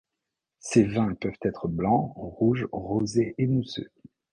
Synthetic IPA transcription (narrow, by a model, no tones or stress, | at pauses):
sevɛ̃pœvt̪ɛt̪χəblɑ̃ʁuʒʁozeʔenusø̰